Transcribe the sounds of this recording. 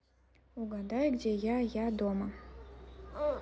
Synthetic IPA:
uɡad̪ajɡdʲejajad̪oma

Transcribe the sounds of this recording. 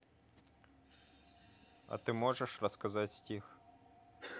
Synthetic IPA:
ɐ̰t̪ɪmɔʐɛʂrɐskɐzatʲsʲtʲix

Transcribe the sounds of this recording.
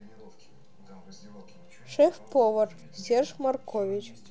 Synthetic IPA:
ʂefpoʋɤr | sʲerʒmɑrkʰovʲit͡ɕ

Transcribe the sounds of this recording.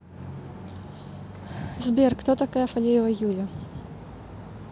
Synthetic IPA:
zbʲɛrkt̪ɔt̪ɐkajɐfɐlʲejɪvɐjulʲɐ

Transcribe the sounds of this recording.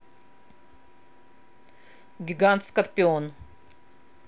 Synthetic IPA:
ɡʲɪɡant̪skɐrpʲɪon

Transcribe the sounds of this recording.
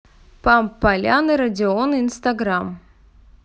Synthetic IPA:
pampːɐlʲanɨɾɐdʲɪonɨinst̪ɐɡɾam

